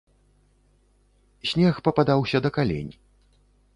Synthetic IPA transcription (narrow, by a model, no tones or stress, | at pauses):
sʲnʲɛxpɐpad̪awsʲɐd̪ɐkalʲḛnʲ